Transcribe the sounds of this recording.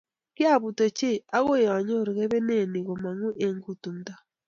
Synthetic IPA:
kja˦˨βu˨to˨t͡ʃe˦a˦ɣo˦˨ja˨ɲo˦˨ɾɣe˦βe˦ne˦˨ni˨ɣo˨ma˨ŋu˦ʔe˨ŋɡu˨tu˨nda˨

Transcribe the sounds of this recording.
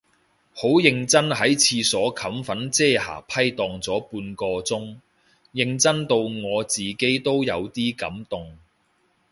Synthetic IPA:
ho˨˥wjɪ˧ŋt͡sɐ˥nɦɐ˨˥jt͡sʰiː˧sɔː˨˥kʰɐ˨˥mfɐ˨˥nt͡sɛː˥ha̰ː˨˩pʰɐ˥jt̪ɔː˨˧ŋt͡sɔː˨˥puː˧nkɔː˧t͡sʊ˥ŋ | jɪ˧ŋt͡sɐ˥nt̪o˧wŋɔː˨˧t͡siː˨ke˨˥jt̪o˥wjɐ˨˧wt̪iː˥kɐ̰˨˥mt̪ʊ˨ŋ

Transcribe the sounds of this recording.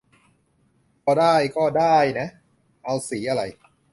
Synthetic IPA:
pʰɔː˧daː˥˩jkɔː˥˩daː˥˩jna˦˥ | ʔa˧wsiː˩˦ʔa˧ɾa˧j

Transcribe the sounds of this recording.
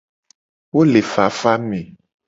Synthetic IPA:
wo˦le˨fa˨˦fa˦mẽ˨

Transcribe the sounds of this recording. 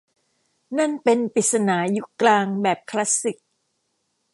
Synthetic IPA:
na˥˩npe˧npi˨˩t̪̚sa˧naː˩˦ju˦˥klaː˧ŋbɛː˨˩p̚kʰla˦˥si˨˩k̚

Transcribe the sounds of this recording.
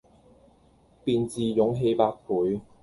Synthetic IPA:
piː˧nt͡siː˨jʊ˨˥ŋɦe˧jpaː˧t̚kʰuː˨˥j

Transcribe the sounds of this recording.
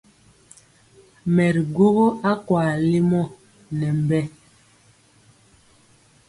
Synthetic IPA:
mɛ˨ɾɡo˦ɣo˦a˦kwaː˨li˦mɔ˦ | nɛ˨m˨bɛ˦

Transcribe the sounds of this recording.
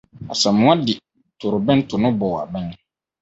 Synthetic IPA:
a̰˨sɛ̃˨mʊ̃˦a˦dɪ˨ | tʰʊ˨ɾʊ˨bɛ̃˦n˦tʰʊ˨nʊ̃˦bɔ˨a̰˨bɛ̃˦n˦

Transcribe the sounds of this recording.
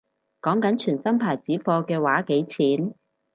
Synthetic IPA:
kɔː˨˥ŋkɐ˨˥nt͡ʃʰyː˨˩nsɐ˥mpʰaː˨˩jt͡siː˨˥fɔː˧kɛː˧waː˨˥ke˨˥jt͡sʰiː˨˥n

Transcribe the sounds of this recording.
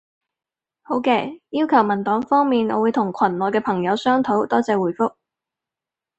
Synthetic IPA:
ho˨˥wkɛː˧jiː˥wkʰɐ˨˩wmɐ˨˩nt̪ɔː˨˥ŋfɔː˥ŋmiː˨nɔ̰ː˨˧wuː˨˧jt̪ʰʊ˨˩ŋkʰɐ˨˩nlɔː˨˩jkɛː˧pʰɐ˨˩ŋjɐ˨˧wsœː˥ŋt̪ʰo˨˥wt̪ɔː˥t͡sɛː˧wuː˨˩jfʊ˥k̚

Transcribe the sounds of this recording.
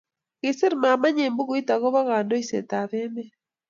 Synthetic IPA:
ɣe˨se˦ɾma˨ma˦ɲe˨mbu˦ɣu˦i˦ta˨ɣɔ˦βa˦ɣa˨ndɔ˦i˦sḛ˨ta˨βe˦mɛ˦

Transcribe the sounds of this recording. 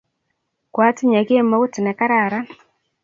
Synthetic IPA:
kwa˦ti˦ɲa˨ɡe˦ma˦u˦ti˨nɛ˨ka˦ɾa˨ɾa˦

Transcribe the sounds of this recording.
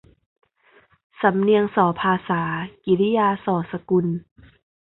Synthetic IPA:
sa˨˩˦mni˧əŋsɔː˩˦pʰaː˧saː˩˦ki˨˦li˦jaː˧sɔː˩˦sa˧ku˧n

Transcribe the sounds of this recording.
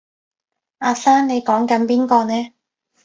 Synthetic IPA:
aː˧saː˥nne˨˧jkɔː˨˥ŋkɐ˨˥npiː˥nkɔː˧nɛː˥

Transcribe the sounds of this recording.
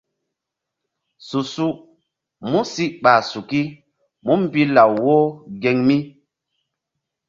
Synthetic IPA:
su˨su˦ʔ | mu˦si˦ʔɓa˨su˨ki˦ | mu˦m̩˨pi˦la˨wwo˦ɡe˨ŋmi˦

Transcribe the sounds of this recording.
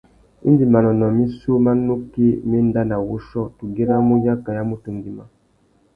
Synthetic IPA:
ḭ˦ndi˨ma˨nɔ˨nɔ˨mi˦so˦ma˦no˦ke˦me˦n˦da˦na˨wo˦ʃɔ˦˨tu˨ɡe˦ɾa˦mu˦ja˦ka˨ja˦mu˦tu˨ŋɡi˨ma˨

